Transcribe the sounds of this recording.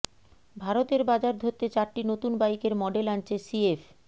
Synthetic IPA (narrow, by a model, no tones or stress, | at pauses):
bʱaɾot̪eɾbad͡ʑaɾd̪ʱoɾt̪ːet͡ɕaɾʈinot̪unbajkeɾmɔɖelant͡ɕʰesief